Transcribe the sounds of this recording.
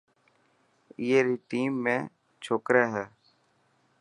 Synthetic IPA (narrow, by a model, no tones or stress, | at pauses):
jeːɾiːʈiːmːẽː | t͡ʃʰoːkɾeːɦɛː